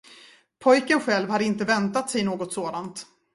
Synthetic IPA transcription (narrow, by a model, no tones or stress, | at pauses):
pʰɔjkənɧɛlvhad̪ɪnt̪əvɛnt̪at̪sɛjnoːɡɔt̪soːd̪ant̪